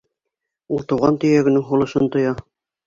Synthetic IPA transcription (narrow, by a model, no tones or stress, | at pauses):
ulˠt̪ŭwʁɑnt̪ɵ̆jæɡɘ̆nɘŋɦulˠɤ̆ʃɤnt̪ŏjɑ